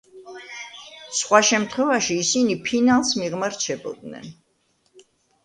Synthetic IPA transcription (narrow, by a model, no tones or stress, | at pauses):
sχwaʃɛmt̪ʰχwɛvaʃiːsinipʰinalˠsmiʁmaɾt͡ʃʰɛbɔ̰d̪nɛ̰n